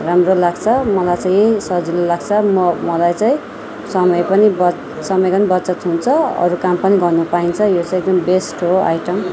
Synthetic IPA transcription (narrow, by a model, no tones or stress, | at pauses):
ramrolaɡt͡sʰʌmʌlajt͡saĩsʌɦd͡zilolaɡ̚t͡sʰʌmʌmʌlajt͡saĩ | sʌmʌjpʌnibʌ | sʌmʌjpʌnibʌtt͡sʌt̪ɦunt͡sʰʌʌ̰ɾukampʌniɡʌrnupaint͡sʰʌjot͡sãeɡ̚d̪ʌmbesʈɦoa̰jʈʌm